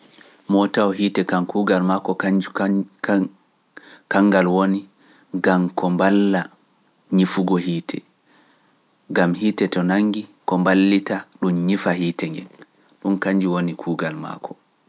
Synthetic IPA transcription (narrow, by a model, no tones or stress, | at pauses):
mɔtawɔɦiːtɛkankuːɡalmakɔ | kaŋːɡalwoni | ɡamkɔmbalːa | ɲifuɡɔhiːtʰɛ | ɡamhiːtɛtɔnaŋːɡikɔmbalːitaɗumɲifahiːtɛŋɡɛ̰n | ɗunkaɲd͡ʒiwonikʰuːɡalma̰kʰɔ̥